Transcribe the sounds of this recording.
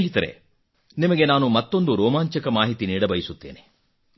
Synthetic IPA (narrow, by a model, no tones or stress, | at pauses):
ɦit̪ɐɾḛ | nimɐɡe̞naːnumɐt̪ːo̞nd̪uɾɔːmaːɲt͡ʃɐkɐmaːɦit̪iniːɽɐbɐjisut̪ːeːne